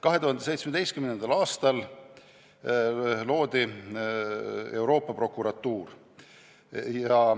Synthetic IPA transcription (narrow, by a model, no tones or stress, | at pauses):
kɑɦe̞t̪uhɑnd̪ese̞jt̪smed̪e̞jst̪kymnend̪ɑlɑːst̪ɑl | lo̞ːd̪̥i | e̞wɾo̞ːpːˑɑpɾro̞kːˑuɾɑt̪ːˑuːr | jɑ